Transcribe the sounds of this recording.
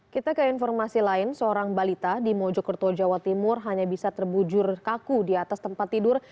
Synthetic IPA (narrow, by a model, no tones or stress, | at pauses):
kit̪akəinfɔrmasilaɪnsəoɾaŋbalit̪adimɔd͡ʒɔkərt̪od͡ʒawat̪imʊrɦaɲabisat̪ərbud͡ʒʊrkakudiat̪ast̪əmpat̪ːidʊr